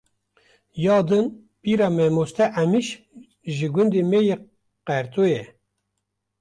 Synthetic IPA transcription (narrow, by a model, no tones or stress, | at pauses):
jɑːd̪ɨn | piɾɑmɛmost̪ʰɛʔæmiʃ | ʒiɡund̪imeji | qæɾt̪ʰujɛ